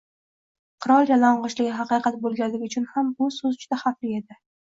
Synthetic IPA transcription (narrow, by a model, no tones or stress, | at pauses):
qʰɨɾɒljalɒɴʁɒt͡ʃlɪɡʲɪɦɑqɨjqʰɑt̪̚bolˠɡʲallɪɡʲɪʊt͡ʃʰʊnhamʊsɵzd͡ʒʊd̪ahafɾɪe̞d̪ɪ